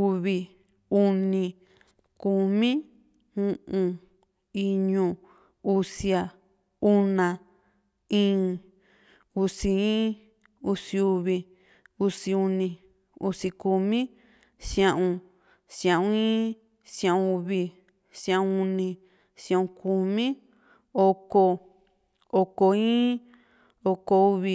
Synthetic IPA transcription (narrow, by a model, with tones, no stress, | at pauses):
u˧βi˧ | u˧nĩ˧ | ku˧mĩ˦ | ũ˧ʔũ˧ | i˧ɲũ˧˨ | u˧si˧a˧ | u˦nã˨ | ĩː˦ | u˧si˧ĩ˦ | u˧si˧u˧βi˧ | u˧si˧u˧nĩ˧ | u˧si˧ku˧mĩ˦ | sj̃ã˧ʔũ˧ | sjã˨ʔũ˧˦ĩ˦ | sã˧ũ˧u˧βi˧ | sjã˧ũ˧u˧nĩ˧ | sjã˧˨ũ˧ku˧mĩ˦ | o˧ko˧ | o˧ko˧ĩː˦ | o˧ko˧u˧βi˧